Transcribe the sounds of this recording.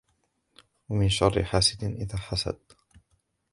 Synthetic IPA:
wamɪnʃɑrˤːɪ̰ħaːsɪd̪ʔɪðaːħasa̰d̪̚

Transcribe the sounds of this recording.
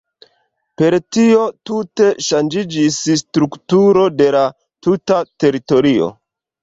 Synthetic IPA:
pe̞ɾtio̞tute̞ʃand͡ʒid͡ʒisstɾuktuɾode̞la | tutate̞ɾito̞ɾio̞̰

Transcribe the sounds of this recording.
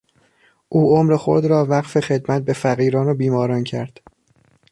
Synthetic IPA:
ʔuːomɾexo̰ɾd̪ɾɒːvæɢfexe̞d̪mæt̪̚be̞fæɣiːɾɒːnobiːmɒːɾɒːncʰæ̰ɾd̪̥

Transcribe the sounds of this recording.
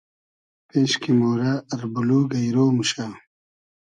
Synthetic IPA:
peːɕkimoːɾaːɾbuluːɡɐjɾoːmuɕaː

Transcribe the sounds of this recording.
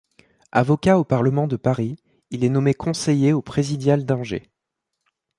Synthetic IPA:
a̰vɔkʲaopaʁləmɑ̃d̪əpaʁi | ilɛnɔmekʰɔ̃sejeopχezid̪jald̪ɑ̃ʒḛ

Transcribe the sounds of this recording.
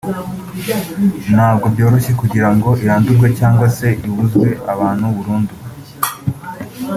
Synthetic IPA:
nhaːbɡobjo̞ːɾo̞ʃe̞kuɟiɾaŋɡo̞ʔiɾaːnduɾɡwecaːŋɡwase̞ʔiβuzɡwe̞ʔaβaːnhuβuɾuːndu

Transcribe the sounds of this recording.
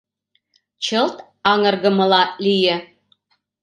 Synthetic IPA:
t͡ɕʰəlt̪ | ɑŋɤ̆rɡə̆mɤ̆lɑlijɘ

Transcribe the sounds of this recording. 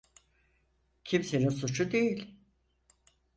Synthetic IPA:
cʰimseninsut͡ʃʰud̪e̞jilʲ

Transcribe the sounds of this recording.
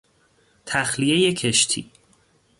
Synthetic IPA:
t̪ʰæxlijejecʰeʃt̪ʰḭː

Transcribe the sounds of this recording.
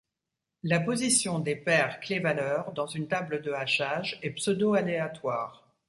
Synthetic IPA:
lapozisjɔ̃d̪epɛʁklevalœʁd̪ɑ̃zynt̪abləd̪əaʃaʒɛpsəd̪oaleat̪waːʁ

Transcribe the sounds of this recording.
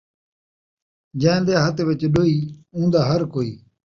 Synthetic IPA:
d͡ʒə̃nd̪eːɦət̪ʋɪt͡ʃɗoːiːũːnd̪aːɦəɾkoːḭː

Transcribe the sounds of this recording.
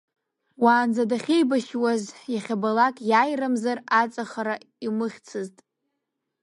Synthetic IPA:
waːnzadaχʲejbaʃwazjaχʲabalakʼjajramzarat͡sʼaχaɾa | imɨχʲt͡sʰɨztʼ

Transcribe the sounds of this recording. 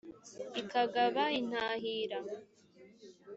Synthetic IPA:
ikaɡaβain̥aːɦiːɾa

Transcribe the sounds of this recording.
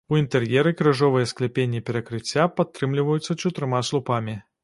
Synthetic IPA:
uint̪ɛrjɛɾɨkɾɨʐɔvɨjɛsklʲɛpʲenʲːɛpʲɛɾɐkɾɨt͡sʲːapat̪ːɾɨmlʲivɐjut̪sːɐt͡ʂut̪ɾɨmaslˠupamʲi

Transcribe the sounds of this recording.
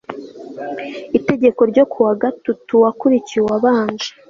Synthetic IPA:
ite̞ɟe̞ko̞ɾɟo̞kʰuwaɡatutuwakuɾiciwaβaːɲd͡ʒe

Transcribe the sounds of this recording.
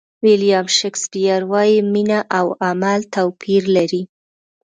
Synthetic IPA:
wɪlijɑmʃekspijaɾwɑjiminaʔawamalt̪awpʰiɾlaɾi

